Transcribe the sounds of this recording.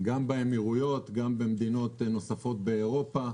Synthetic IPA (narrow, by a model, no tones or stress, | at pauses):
ɡambeemiʁujo̞t̪ɡambe̞md̪ino̞t̪no̞safo̞t̚be̞ːʁo̞pa